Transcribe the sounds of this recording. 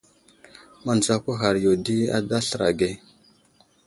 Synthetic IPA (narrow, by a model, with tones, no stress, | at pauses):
ma˨n˨d͡za˦kʷa˦ɦa˨ɾjo˨di˦a̰˦da˦ɬə˨ɾa̰˨ɡe˦